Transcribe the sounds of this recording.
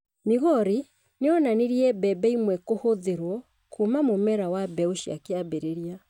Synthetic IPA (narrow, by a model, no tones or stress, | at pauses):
miɣɔɾi | neɔnaneɾiɛbɛbɛimwɛkohoðeɾwɔ | kʰumamomɛɾawabɛoʃja̰keabeɾeɾia